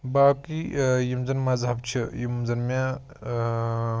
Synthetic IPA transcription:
baːkijimzɐnmazɦɐb̚t͡ʃʰijimzɐnmã

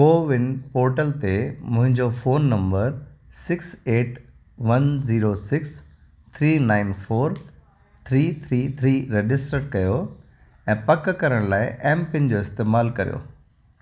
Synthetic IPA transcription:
poːʋɪnɪ̆poːɾʈəlt̪emʊ̃ɦɪ̃ɲd͡ʑofoːnːɐ̃mbəɾsɪkseːʈ | ʋɐnziːɾosɪks | t̪ʰɾiːnaːɪnfoːɾ | t̪ʰɾiːt̪ʰɾiːt̪ʰɾiːɾed͡ʑɪsʈɾəʈkɐjo | ɛ̃ːpɐkkɐɾəɽ̃laːɪʔɛːmpɪnɪ̆d͡ʑoːɪst̪eːmaːlkɐɾijo̰ː

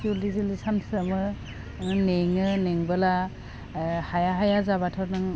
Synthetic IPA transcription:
iulizilisansɯmɯ | neŋɯneŋbɯla | hajaɦajazaβatʰɔɾnɯŋ

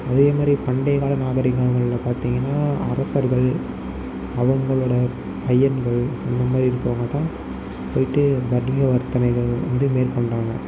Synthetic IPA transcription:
ɐðeːɐmaːd̪ɾipɐɳɖɐɪɣaːɭɐnaːɣɐɾɪŋɡɐɭŋɡɐɭlɐpaːɾt̪iːŋɡɐnːaːɐ̰ɾɐsɐɾɣɐɭ | ɐʋɐŋɡɐɭɯːɽɐ | pɐjːɐnɡɐɭɛnd̪ɐmaːd̪ɾiɪɾɯkːɯʋaːŋɡɐt̪ãː | poːjɪʈːɯbɐɾmɪɣɐʋɐɾt̪ːɐnɐɪɣɐɭʋɐ̰nd̪ɯmeːrkɔɳɖaːŋɡɐ̰

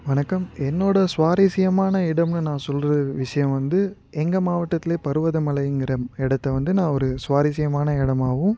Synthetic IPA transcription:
ʋɐnɐkːɐmɛnːoːɽɐsʋaːɾɪsɪjɐmaːnɐɪɽɐmnɯnãːsɔlɾɐɯʋɪʂɐjɐ̃ʋɐnd̪ɯ | ɛŋɡɐmaːʋɐʈːɐt̪ːɪleːpɐɾɯʋɐðɐmɐlɐɪɪŋɡɪɾɐɪɽɐt̪ːɐʋɐnd̪ɯnãːɔɾɯsʋaːɾɪsɪjɐmaːnɐɪɽɐmaːʋʊ̃

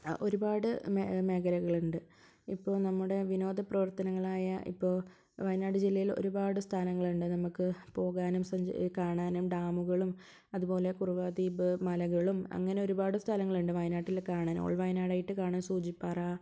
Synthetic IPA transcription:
o̞ɾubaːɽɨmeme̞ːkʰɐlɐɣɐɭuɳɖɨ | ipːo̞ːnɐmːuɽe̞ʋino̞ːd̪ʱɐprɐʋɐrt̪ɐnɐŋːɐɭaːjɐʔḭpːo̞ːɭ | ʋɐjnaːɖɨd͡ʑilːɐjilo̞̰ɾubaːɽɨst̪ʰalɐŋːɐɭuɳɖɨnɐmukːɨpo̞ːɣaːnumsɐɲd͡ʑkaːɳaːnumɖaːmuɣɐɭum | ɐðubo̞ːle̞kuruʋaːd̪iːbɨmɐlɐɣɐɭumɐ̰ŋːɐne̞o̞ɾubaːɽɨst̪ʰɐlɐŋːɐɭuɳɖɨʋɐjnaːʈːilkaːɳaːno̰ːɭʋɐjnaːɽaːjiʈːɨkaːɳaːnsuːd͡ʑipːaːraː

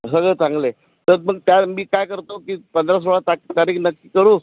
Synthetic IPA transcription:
səɡɭəsãŋɡle | t̪əɾməɡ̚t̪jamiːkajkəɾt̪okiːpənd̪ɾas̬oɭat̪akt̪aɾiːknəkːiːkəɾuː

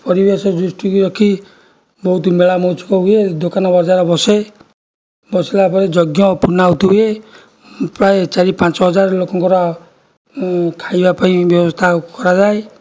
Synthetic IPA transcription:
pɔɾibesɔd͡ʒusʈikɾɔkʰi | bɔɦut̪meɭamɔt͡ʃʰu̥kɔɦued̪okanɔbɔɾd͡ʒaɾɔbɔse | bɔsibapɔɾed͡ʒɔɡjɔpunaɦut̪uɦue | pɾaet͡ʃaɾipãt͡ʃɔɦɔd͡ʒaɾlokɔŋkɔɾɔ | kʰajbapaĩbjɔbɔst̪ʰakɔɾad͡ʒae

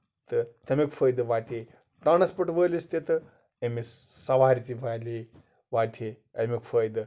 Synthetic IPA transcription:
t̪ɨt̪ɐmikfəːjd̪ɨʋaːt̪ʲʰe | t̪aːnɐspɐʈʋəːlist̪et̪ɨ | emissɐʋaːɾit̪iʋaːli | ʋaːt̪ʰe | ɐmikfəːjd̪ɨ

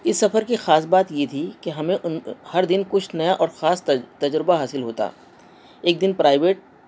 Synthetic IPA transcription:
ɪsːɐfəɾkixaːs̬baːt̪jet̪ʰikeɦɐmẽʔhɐɾd̪ɪnkʊt͡ʃʰnɐjaʔɔːɾxaːst̪ɐd͡ʒɾɪbaɦaːsɪlɦoːt̪a̰ː | eːk̚d̪ɪnpɾaːɪʋeːʈ̚

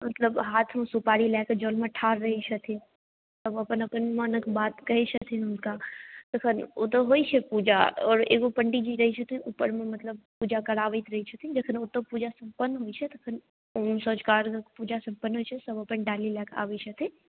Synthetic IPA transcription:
mɐt̪ləbɦaːt̪ʰmẽsupaːɽilɛːkd͡ʒoːlmẽʈʰaːɾɾɐɦit͡ʃʰɐt̪ʰĩ | sɐbɐpənɐpənmənəkbaːt̪kɐɦit͡ʃʰɐt̪ʰinʊnkat̪ɐkʰənot̪̬oɦoːit͡ʃʰɛpuːd͡ʒa̰ɔ̰ːɾeːɡopəɳɖid͡ʒiɾɐɦit͡ʃʰɐt̪ʰiuːpəɾmẽmɐt̪ləb̚puːd͡ʒakɐɽaːʋət̪ɾɐɦit͡ʃʰɐt̪ʰid͡ʒɐkʰənot̪opuːd͡ʒasɐ̃mpənːɦoːit͡ʃʰɛt̪ɐkʰən | oːmsɔːd͡ʒkaːɾkkpuːd͡ʒasɐ̃mpənːɦoːit͡ʃʰɛsɐbɐpənɖaːlilɛːkʰa̰ːʋət͡ʃʰɐt̪ʰi

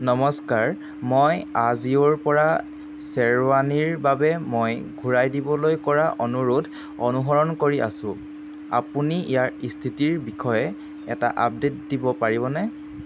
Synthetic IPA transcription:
nɔmɔskaɹ | mojazioɹpɔɹa | sɛɹwaniɹbabɛmojɡʱuɹajdibɔlojkɔɹaʔɔnuɹudʱ | ɔnuɦɔɹɔnkoɹiʔa̰sʊ̃ | a̰puniʔijaɹistʰitiɹbixʰɔjɛ | ɛ̰ta̰ʔa̰p̚detdibɔpaɹiβɔnɛ

